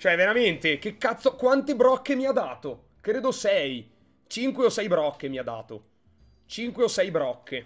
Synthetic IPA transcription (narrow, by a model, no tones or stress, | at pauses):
t͡ʃoɛveɾament̪ek̟ekːat̪sokwant̪ebɾɔkːemiad̪ːaːt̪o | kɾeːd̪osɛj | t͡ʃiŋkweosɛjbɾɔkːemiad̪ːa̰ːt̪o̰ | t͡ʃiŋkweosɛjbɾɔkʰːe